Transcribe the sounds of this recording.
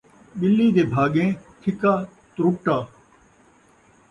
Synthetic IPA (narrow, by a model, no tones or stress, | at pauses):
ɓɪlːiːd̪eːbʱaːɠẽːt̪ʰɪkaːt̪ɾʊʈaː